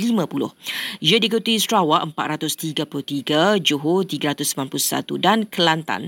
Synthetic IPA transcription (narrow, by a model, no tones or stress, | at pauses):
limãpulʊ̰hjədikut̪uist̪ɾawaʔəmpat̪ɾat̪ʊst̪iɡapulʊht̪iɡad͡ʒuɦut̪iɡaɾat̪ʊsəmlanpuʊsa̰t̪udankəlant̪a̰n